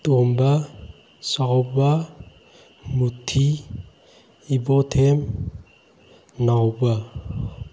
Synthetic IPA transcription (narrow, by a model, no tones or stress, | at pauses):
tɔmba | saɔba | mutʰːi | ibɔtʰem | nawba